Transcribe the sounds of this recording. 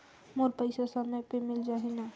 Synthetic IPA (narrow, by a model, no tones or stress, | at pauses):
moɾpəɪjsasəməjpemild͡ʒaɦɛna